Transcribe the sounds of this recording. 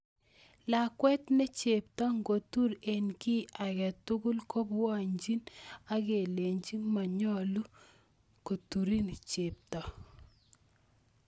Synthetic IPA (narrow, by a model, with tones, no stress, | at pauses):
la˨kwɛ˦tnɛ˦t͡ʃe˨p̚tɔ˦ŋɡo˨tu˦ɾe˨nki˦a˨kɛ˨tʊ˦ɡʊ˦lko˦bwɔ˦˨ɲd͡ʒi˦na˦ke˨le˨ɲd͡ʒi˦ma˨ɲɔ˦˨lu˦ | ko˨tu˨ɾi˦nt͡ʃe˨p̚tɔ˨